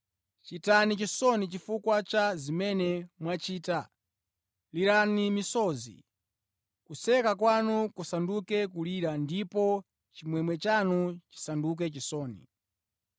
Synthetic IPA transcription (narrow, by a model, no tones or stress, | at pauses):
t͡ʃitanit͡ʃisɔnit͡ʃifukwat͡ʃazimɛnɛmwat͡ʃiːta | liɾanimisɔzḭ | kusɛkakwanukusandukɛkuliɾandipɔ | t͡ʃimwɛmwɛt͡ʃanut͡ʃi̥sanduk̬ɛt͡ʃisɔːnḭ